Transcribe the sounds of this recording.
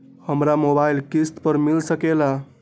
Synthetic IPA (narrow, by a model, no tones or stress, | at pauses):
həmɾamobailkist̪pəɾmilsəkela